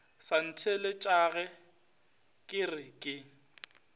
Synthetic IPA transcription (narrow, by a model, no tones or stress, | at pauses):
san̩tʰelɪt͡ʃʼaɣɛ | kʼɪrɪkʼɪ